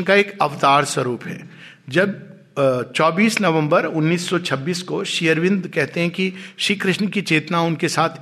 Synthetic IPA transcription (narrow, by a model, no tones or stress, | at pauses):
kaeːkɐʋt̪aːɾswɐɾuːpɦɛ̰ː | d͡ʒɐb̚ | t͡ʃɔːbiːsnɐʋə̃mbəɾʊnːiːsːɔt͡ʃʰɐbːiːskoʃijəɾʋɪ̃nd̪kɛɦt̪eɦɛ̃kiʃɾiːkɾɪʃnkit͡ʃeːt̪naʊnkesaːt̪ʰ